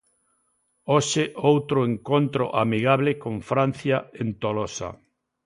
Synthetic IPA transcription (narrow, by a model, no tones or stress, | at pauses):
oʃeʔowt̪ɾʊeŋkont̪ɾo̰ʔamiɣaβlekõɱfɾãn̟θjaent̪olosa̰